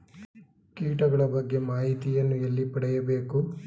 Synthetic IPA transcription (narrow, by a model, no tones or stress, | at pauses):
kiːʈɐɡɐɭɐbɐɡːe̞maːɦit̪ijɐnːuelːipɐɽɛjɐbe̞ːku